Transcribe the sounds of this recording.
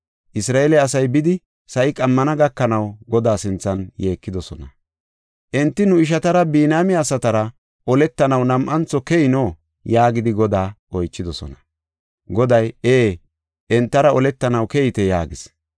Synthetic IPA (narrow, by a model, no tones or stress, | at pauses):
ʔɪsɾaːɛlɛɐsɐjbɪd̪ɪ | sɐʔɪkʼɐmːɐnɐɡɐkːɐnɐwɡɔd̪aːsɪnt͡sːɐnje̞ːkːɪd̪ɔsɔ̰nɐ | ʔɛnt̪ːɪnʊɪʃ̬ɐt̪ɐɾɐbiːnaːmɪɐsɐt̪ɐɾɐ | ʔɔlɛt̪ːɐnɐwnɐmʔɐnt͡sːɔkɛjɪnoː | jaːɡɪd̪ɪɡɔd̪aːʔɔjt͡ʃːɪd̪ɔsɔ̰nɐ | ɡɔd̪ɐjeː | ʔɛnt̪ːɐɾɐɔlɛt̪ːɐnɐwkɛjɪt̪ɛja̰ːɡɪs